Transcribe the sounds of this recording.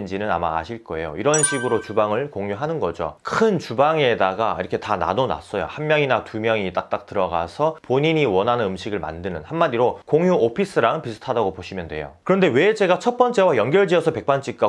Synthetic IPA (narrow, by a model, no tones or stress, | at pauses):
nd͡ʑinɯna̰ma̰ːɕʰiɭk͈ʌe̞jo̰iɾʌnɕʰiɡɯɾot͡ɕubaŋɯɭkoŋjuɦanɯnɡʌd͡ʑo̰kʰɯnt͡ɕubaŋedaɡaḭɾʌkʰe̞tana̰nona̰s͈ʌjo̰hammːjʌŋinatumjʌŋit͈ak̚t͈ak̚t͈ɯɾʌɡa̰sʰʌpoɲiɲiwʌnɦanɯnɯmɕʰiɡɯɭma̰ndɯnɯnhammːadiɾokoŋjuopʰis͈ɯɾaŋpisʰɯ̥tʰadaɡopoɕʰimjʌndwe̞̰jo̰kɯɾʌnde̞we̞d͡ʑe̞ɡat͡ɕʰʌp͈ʌnt͡ɕ͈e̞wajʌŋɡjʌɭd͡ʑiʌsʰʌpe̞k̚p͈ant͡ɕ͈ik̚k͈a